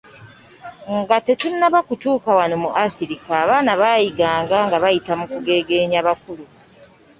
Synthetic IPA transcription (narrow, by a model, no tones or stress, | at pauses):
ŋɡatetunːaβakutuːkawano̞muʔasiɾikaːβaːnaβajiɡaːŋɡaŋɡaβajitamukuɡe̞ːɡe̞ːɲaβakulu